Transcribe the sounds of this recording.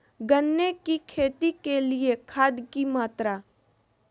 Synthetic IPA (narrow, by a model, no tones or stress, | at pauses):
ɡənːekikʰeːt̪ikeliekʰaːd̪kimaːt̪ɾa